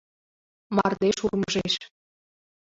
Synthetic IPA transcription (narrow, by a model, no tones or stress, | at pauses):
mɑrd̪eʃurməʒeʃ